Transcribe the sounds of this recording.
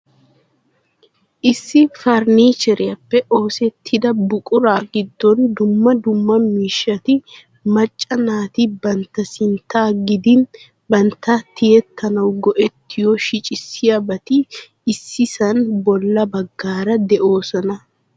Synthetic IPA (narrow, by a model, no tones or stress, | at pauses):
ʔɪsːɪfɐɾniːt͡ʃɛɾɪjɐpːɛʔo̞ːsɛt̪ʰːɪd̪ɐbʊkʼʊɾaːɡɪd̪ːɔnd̪ʊmːɐd̪ʊmːɐmiːʃːɐt̪ɪ | mɐt͡ʃʼːɐnaːt̪ɪbɐnt̪ːɐsɪnt̪ːaːɡɪd̪ɪn | bɐnt̪ːɐt̪ɪjɛt̪ʰːɐnɐwɡɔʔɛt̪ːɪjɔʃɪt͡ʃʼɪsːɪjabɐt̪ɪː | sːɪsɐnbɔlːɐbɐɡːaːɾɐd̪ɛʔo̞ːsɐnɐ